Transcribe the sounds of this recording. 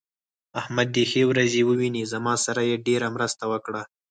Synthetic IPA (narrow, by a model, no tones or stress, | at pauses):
ahmad̪̚ːexewɾazewəwinizamɑsaɾajeɖeɾamɾəst̪awəkɽa